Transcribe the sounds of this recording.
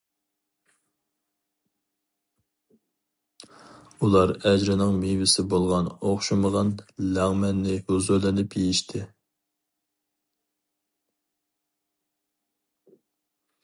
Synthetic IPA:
ulˠɑɾɛd͡ʒɾɪnɨŋmejvɪsɪbolˠʁɑnoχʃuməʁɑnlæŋmɛnːɪhuzuɾlɪnɪpjejiʃt̪ʰɪ

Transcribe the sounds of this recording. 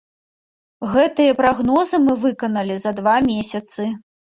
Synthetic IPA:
ɣɛt̪ɨjɐpɾaɣnɔzɨmɨvɨkɐnɐlʲizɐd̪vamʲesʲɐt̪sɨ

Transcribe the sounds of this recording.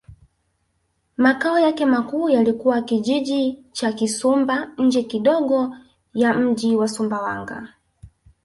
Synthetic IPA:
makaɔjakɛmakuːjalikuwakiʄiʄit͡ʃakisumbaɲ̩d͡ʒɛkiɗɔɠɔ | jam̩ʄiwasumbawa̰ŋɡa̰

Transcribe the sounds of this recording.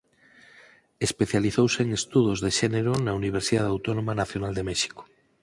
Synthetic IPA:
espeθjaliθowseːŋest̪uðozðeʃeneɾonauniβ̞eɾsiðaðawt̪onomanaθjonald̪emeʃi̥ko̥

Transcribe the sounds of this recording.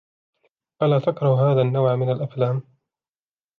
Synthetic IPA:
ʔalaːt̪akɾˤɑhhaːðaːnːawʕmɪnalʔaflaːm

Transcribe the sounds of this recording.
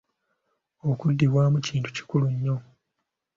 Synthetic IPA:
okudːiβwaːmuciːntu̥ci̥kuluɲːo̞

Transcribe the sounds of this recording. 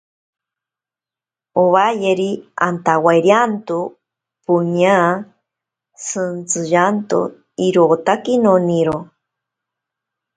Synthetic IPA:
oβajeɾiant̪awajɾjant̪u | puɲa | sɨnt͡sɨʒant̪o̰ | iɾot̪akinoniɾo

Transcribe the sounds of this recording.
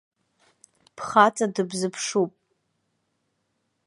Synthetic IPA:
pʰχat͡sʼadɨbzɨpʰʂupʼ

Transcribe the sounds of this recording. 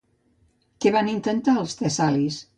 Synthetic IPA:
kɛβanint̪ənt̪aəlˠst̪esalis

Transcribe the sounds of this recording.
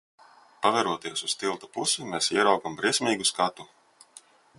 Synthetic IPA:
pavɛɾuɔt̪iɛsust̪ilˠt̪ḁpusimeːsiɛɾawkambɾiɛsʲmʲiːɡuskat̪u

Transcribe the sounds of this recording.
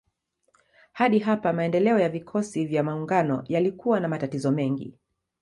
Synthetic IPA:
haɗiɦapamaɛndɛlɛɔjavikʰɔsivjamauŋɡanɔ̰jalikuwanamatatizɔmɛŋɡḭ

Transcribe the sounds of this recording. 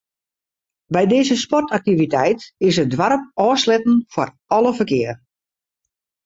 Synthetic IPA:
bɛjdɪːzəspɔrtak̚tivitɛjtɪsədwaɾəpɔːslɛtn̩fɔ̰r | ɔləfərkɪər

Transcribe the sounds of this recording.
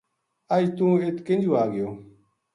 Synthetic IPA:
əjt̪ũːet̪kɪ̃nd͡ʒʱuaːɡɪjoː

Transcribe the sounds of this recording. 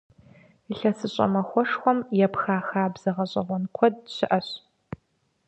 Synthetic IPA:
ɬɐsɨɕʼɐ̰mɐxʷɔʂxʷɔmjɛpxaːxaːbz̥ɐʁɐɕʼɐʁʷɔnkʷʰɔdɕɪʔɐɕ

